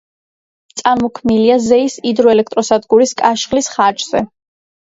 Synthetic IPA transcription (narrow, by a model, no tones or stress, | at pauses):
t̪sʼaɾmɔkʰmiliazɛisid̪ɾɔɛlɛk̚ʰt̪ʼɾɔsad̪ɡuɾiskʼaʃχlisχat͡ʃʼz̥ɛ